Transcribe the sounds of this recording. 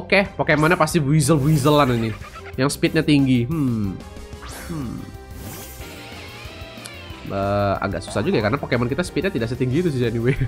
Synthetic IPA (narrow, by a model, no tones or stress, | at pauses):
okepokemɔnɲapast̪ibizəlbuizəlaninɪ | jaŋsə̥pɪt̪̚ɲat̪iŋɡi | ʔəːa̰ŋɡaʔsu̥sahd͡ʒuɡajakarənapakemɔnkit̪asə̥pit̪̚ɲat̪idaʔas̬ɛt̪iŋɡiːt̪us̬ɪhd͡ʒaniwe